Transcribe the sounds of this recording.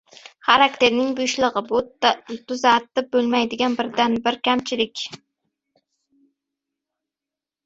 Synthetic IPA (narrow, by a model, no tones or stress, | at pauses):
χaɾak̚t̪ʰeɾnɪŋbyjʃlˠɨʁɨbt̪ʰʊzat̪ːɪbɵlˠmæjd̪ɪɡʲanbɪɾd̪anbɪɾkʲʰamt͡ʃʰɪlɪkʲ